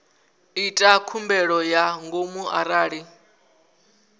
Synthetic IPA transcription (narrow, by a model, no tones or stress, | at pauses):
itʼakʰumbɛɺɔjaŋɡomuʔa̰ɾaːɺi